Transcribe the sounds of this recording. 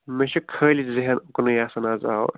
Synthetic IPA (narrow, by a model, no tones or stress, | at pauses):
meʃʰɐkʰəːliziɦɐnuknujaːsɐnaːza̰ːo̰